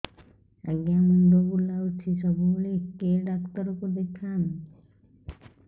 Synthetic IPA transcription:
əɡjaməɳɖ̪obulaʋt͡ʃʰisəbʱuɭekeɖakt̪əɾokod̪ekʰan

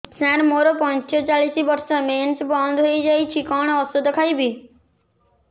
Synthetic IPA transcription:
sãɾmoɾopɔnt͡ʃɔt͡ʃalisibɔɾsɔment͡ʃbɔnd̪ʱɦojd͡ʒajt͡ʃʰikɔɽ̃ɔɔsod̪ɔkʰajbi

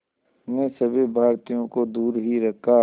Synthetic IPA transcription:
nẽsɐbʱibʱaːɾt̪ijõkod̪uːɾɦiɾɐkʰːa

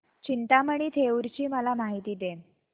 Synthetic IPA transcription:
t͡ɕint̪aməɳ̃iːt̪ʰeuɾt͡ɕiːməlamaɦit̪iːd̪e

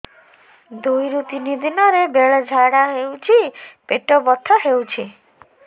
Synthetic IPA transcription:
d̪ujɾut̪inid̪inɔɾebeɭɔd͡ʒʱaɽaɦewt͡ʃʰipeʈɔbɔt̪ʰːɔɦewt͡ʃʰi

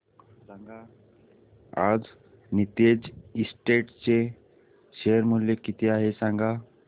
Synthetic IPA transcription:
sãŋɡa | a̰d͡z | nit̪ed͡zisʈeʈt͡se | ɕejəɾmuljekit̪ʰiaɦesãŋɡa

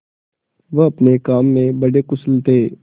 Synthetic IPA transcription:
ʋəɐpnekaːmːẽbɐɽekʊslt̪eː

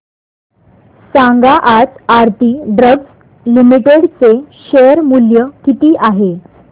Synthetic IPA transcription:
sãŋɡaʔat͡saɾt̪iːɖɾəɡs | limiʈeɽt͡seɕejəɾmuljəkit̪iːʔaɦe

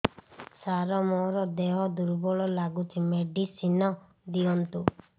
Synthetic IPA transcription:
saɾɔmɔɾɔd̪eɦɔd̪uɾbɔɭɔlaɡut͡ʃʰimeɖisinɔ | d̪iɔnt̪u

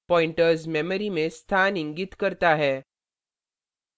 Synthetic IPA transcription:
pɔiɳʈəɾsmɛməɾimest̪ʰaniŋɡit̪kəɾt̪aɦe

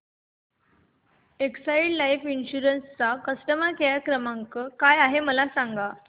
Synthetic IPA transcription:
eksaiɽlajfinɕuɾənst͡sakəsʈəmakejakɾəmaŋkəːkajaɦeməlasaŋɡa

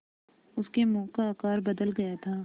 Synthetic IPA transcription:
ʊskemɔ̃ːkaːkaːɾbɐd̪əlɡɐjat̪ʰaː

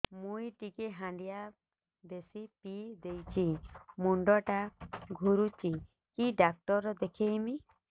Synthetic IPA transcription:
mujʈikeɦãɳɖija | d̪esipid̪ejt͡ʃʰimuɳɖɔʈaɡʱuɾut͡ʃi | kiɖak̚ʈɔɾɾɔd̪ekʰejmi

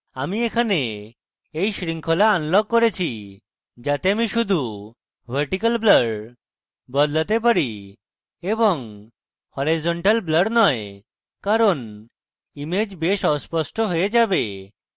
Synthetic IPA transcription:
amiekʰane | ejsɾiŋkʰolaanlɔɡ̚koɾet͡ɕʰi | d͡ʑat̪eamiʃud̪ʱu | bʱəɾʈikalbləɖ | bɔd̪lat̪ep̬aɾi | eboŋ | hoɾizoɳʈalbləɖnɔe | kaɾon | imed͡ʑbeʃɔspɔsʈoɦojed͡ʑabe

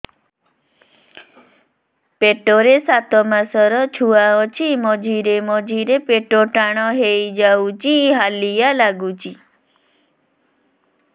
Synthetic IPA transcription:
peʈoɾesat̪ɔmãsɔɾɔt͡ʃʰuaɔt͡ʃʰimɔd͡ʒʱiɾemɔd͡ʒʱiɾepeʈoʈaɽ̃ɔɦejd͡ʒawt͡ʃiɦalijalaɡut͡ʃi

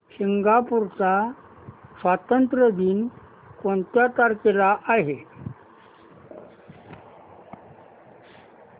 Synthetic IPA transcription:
ɕiŋɡapuɾt͡sa | sʋat̪ənt̪ɾəd̪iːn | koɳt̪jat̪aɾkelaʔaɦe

